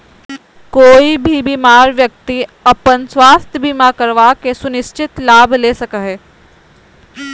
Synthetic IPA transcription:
koːibʱibiːmaːɾʋjək̚t̪iɐpənswaːst̪ʰjəbimakəɾʋakesʊnɪst͡ʃɪt̪laːbleːsɐkəɦɛː

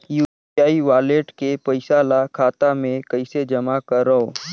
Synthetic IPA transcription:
juː | aːiʋaːleːʈkepəɪsaːlakʰaːt̪amẽkɐɪsed͡ʒɐmakəɾɦoː

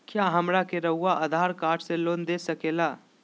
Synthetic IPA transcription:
kjaːɦɐmɾakeɾəɦuaʔəd̪ʱaːɾkaːɾʈʰseloːnd̪esɐkeːlaː

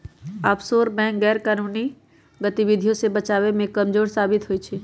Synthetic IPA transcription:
aːpsoːɾbɛ̃ːkɡɛːɾkaːnuːni | ɡət̪iʋɪd̪ʱijõsebət͡ʃaːʋemẽkɐmd͡ʒoːɾsaːbɪt̪ɦoːit͡ʃʰe

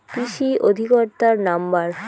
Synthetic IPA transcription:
kɾiʃiʔod̪ʱikoɾt̪aɾnambaɾ

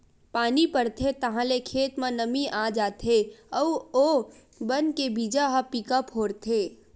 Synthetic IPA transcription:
paːnipəɾt̪ʰet̪ɐɦãlekʰeːt̪mẽnəmiʔaːd͡ʒaːt̪ʰeɔo | bənkebiːd͡ʒaɦəpikəpɦoːɾt̪ʰeː

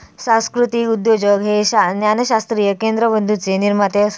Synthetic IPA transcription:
sãw̃skɾut̪iːud̪jod͡ʑəɡɦeɕanjanəɕast̪ɾiːjəkend̪ɾəbənd̪ʱut͡seniɾmat̪e

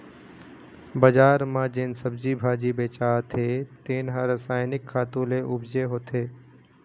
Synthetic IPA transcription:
bəd͡ʒaːɾmãd͡ʒeːnsəbd͡ʒiːbʱaːd͡ʒibeːt͡ʃaːt̪ʰet̪eːnɦãːɾəsaːɪnɪkʰːaːt̪õːleʔʊbd͡ʒeɦoːt̪ʰeː

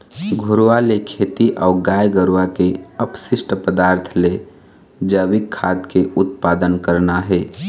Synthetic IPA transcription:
ɡʱʊɾwalekʰeːt̪iʔɔːɡaːjɡəɾʋakeəpsɪsʈəpəd̪aːɾt̪ʰle | d͡ʒəʋɪkʰːaːd̪keʊt̪̚paːd̪ənkəɾnaɦɛː

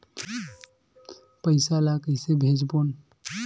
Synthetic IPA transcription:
pəɪsalakəsebʱed͡ʒbon

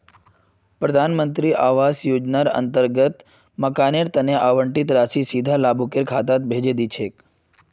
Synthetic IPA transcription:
pɾəd̪ʱanmənt̪ɾiʔaʋasjod͡ʒnaɾə̰nt̪əɾɡət̪ | məkaneɾt̪əneʔaʋəɳʈit̪ɾasisid̪ʱalabʱukeɾkʰat̪at̪̚bʱed͡ʒed̪it͡ʃʰek

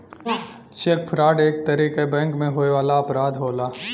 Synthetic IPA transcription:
t͡ʃeːk̚pʰɾaːɖeːk̚t̪ɐɾiːkebɛ̃ːŋkmẽɦoːeʋaːlaɐpɾaːd̪ɦoːlaː

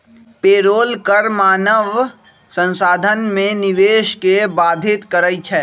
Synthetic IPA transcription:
peːɾoːlkəɾmaːnəʋ | sə̃nsaːd̪ʱənmẽnɪʋeːʃkebaːd̪ʱɪt̪kəɾəit͡ʃʰɛː

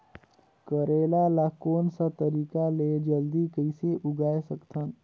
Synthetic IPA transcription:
kəɾeːlalakoːnsat̪əɾiːkaled͡ʒəld̪ikəɪseʔʊɡaːesəkt̪ʰən

